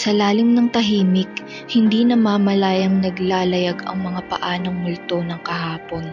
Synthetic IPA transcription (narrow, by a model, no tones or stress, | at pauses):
sɐlaːlɪŋnɐŋt̪ɐɦiːmɪk̚ | hɪnd̪inɐmaːmɐlajɐŋnɐɡlaːlɐjaɡɐ̰ŋmɐŋapɐ̰ʔaːnoŋmʊlt̪o̞nɐŋkɐɦaːpo̞n